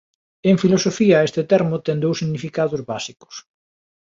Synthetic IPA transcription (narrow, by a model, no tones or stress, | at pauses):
eŋfilosofiɐest̪et̪ɛɾmʊt̪ɛŋd̪owsːiɣnifikaðʊzβasikʊ̥s